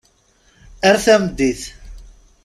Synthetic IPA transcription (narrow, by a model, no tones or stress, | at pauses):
æɾθæmd̪ːiθ